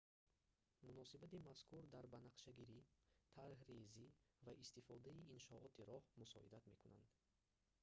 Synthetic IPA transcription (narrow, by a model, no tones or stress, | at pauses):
munɔsibat̪imaskʰuɾd̪aɾbanaqʃaɡiɾit̪ʰaɾhrezivaʔist̪ifɔd̪aiːnʃɔʔɔt̪ʰiɾɔhmusɔ̰ḭd̪at̪me̞kʰuna̰nd̪